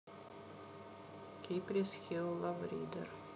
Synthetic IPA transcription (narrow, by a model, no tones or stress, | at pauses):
kʲiːpʲɾʲɪsxʲɪlˠːɐʋɾʲḭːd̪ʲɛ̰ɾ